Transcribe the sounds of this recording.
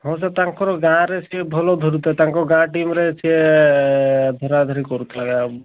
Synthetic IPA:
ɦɔ̃s̬at̪aŋkɔɾɔɡãɾet͡ʃʰiebʱɔlɔd̪ʱɔɾut̪ʰɔt̪ãŋkɔɾɔɡãʈimɾet͡ʃʰie | d̪ʱɔɾad̪ʱɔɾikɔɾut̪ʰlaɡa

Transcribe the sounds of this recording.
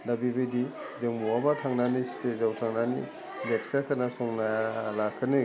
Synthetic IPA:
labibɯjdi | zeŋmuabatʰaŋnanistʰezawtʰaŋnanḭ | lek̚sakʰanasɔŋnajalakʰːɯnɯ

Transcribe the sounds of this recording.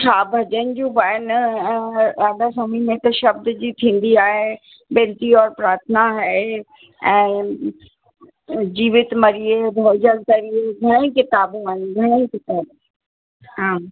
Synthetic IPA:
t͡ɕʰaːbʱɐd͡ʑənɪ̆d͡ʑũbaːjən̆ɛ̃ːaːd̪ʱasomimẽt̪ɐʃɐb̚d̪d͡ʑiːt̪ʰĩːn̆d̪iaːɦe | bɛ̃ːlʈ̪iɔːɾpɾaːɾt̪ʰnaɦɛ | ɛ̃ː | d͡ʑiːʋɪt̪mɐɾiebʱoːd͡ʑəlkɐɾieɡʱɐɽ̃ẽkɪt̪aːbũaːɪnɡʱɐɽ̃eĩkɪt̪aːb | ɦãː

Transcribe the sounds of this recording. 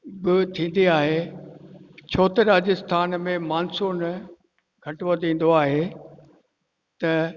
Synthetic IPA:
bɪt̪ʰĩːn̆d̪iaːɦe | t͡ɕʰoːt̪ɾaːd͡ʑəst̪ʰaːnmẽmaːnsuːn | ɡʱɐʈʋod̪ĩːn̆d̪oaːɦe | t̪ɐ

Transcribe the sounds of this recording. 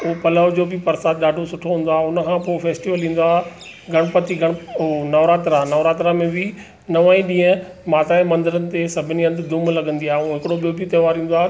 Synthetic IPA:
ʊpɐləʋd͡ʑoːbɪpɐɾsaːt̪ɗaːɖʱosʊʈʰoɦũːn̆d̪oaːɦʊnə̆kʰãːpoːfeːsʈiʋəlĩːn̆d̪oaːɦ | ɡʱɐɽ̃pɐt̪iɡʱɐɽ̃onɐʋɾaːt̪ɾanɐʋɾaːt̪ɾamẽbɪ | nɐʋaːĩɗĩːə̃ | maːt̪aːemɐ̃nd̪əɾənɪ̆t̪esɐbʱɪniɐ̃nd̪d̪ʊmlɐɡə̃nd̪iaːɦeũɦɪkɪɽoɓijobiot̪ɐːʋaːɾĩːn̆d̪oaːɦ

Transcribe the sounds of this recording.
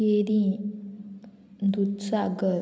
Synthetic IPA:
eɾĩ | nd̪ut̪saɡə

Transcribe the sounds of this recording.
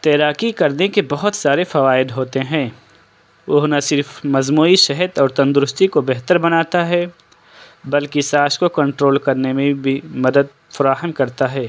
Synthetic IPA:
t̪ɛːɾaːkikɐɾnekebɐɦʊt̪saːɾefɐʋaːɪd̪ɦoːt̪eɦɛ̃ː | ʋɐɦnɐsɪɾfmɐzmuːiʃɛɦət̪ɔːɾt̪ɐ̃nd̪ʊɾʊst̪ikobɛɦt̪əɾbɐnaːt̪aɦɛ | bɐlkisaːʃkokɐ̃ɳʈɾoːlkɐɾnemẽbʱimɐd̪əd̪̚ | fɐɾaːɦəmkɐɾt̪aɦɛː

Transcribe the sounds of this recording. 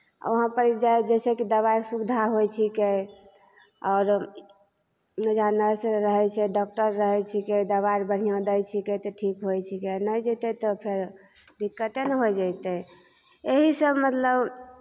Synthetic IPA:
a̰əɦãpəɾd͡ʒajd͡ʒɛsekid̪əβajksubd̪ʱaɦojt͡ʃʰike | ɔʊɾ | nəd͡ʒʱanəɾseɾəɦɛt͡ʃʰɛɖɔk̚ʈəɾːəɦɛt͡ʃʰiked̪əβaɾbəɽ̤ijãd̪əjt͡ʃʰiket̪ɔʈʰikɦojt͡ʃʰikenəjd͡ʒəɪt̪ɛt̪ɔpʰeɾ | d̪ikːət̪enɦojd͡ʒajt̪ɛ | eɦisəbmət̪ləb

